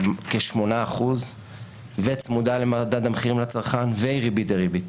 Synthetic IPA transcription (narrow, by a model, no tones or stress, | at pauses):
keʃmo̞naːχuz | vet͡smudalemad̪ad̪ameχiʁimlat͡saʁχanvejʁibit̪eʁibit